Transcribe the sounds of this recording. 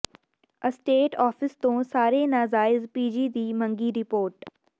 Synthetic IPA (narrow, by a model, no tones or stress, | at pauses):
əsʈeːʈɔːfɪst̪õːsaːɾenaːzaːɪzpiːd͡ʒid̪iːmɐ̃ŋɡiɾɪpoːɾʈ